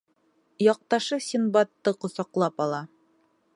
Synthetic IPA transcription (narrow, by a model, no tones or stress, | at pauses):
jɒq̚t̪ɑʃɤsʲinbɑt̪ːɤqŏsɑqlˠɑpɒlˠɑ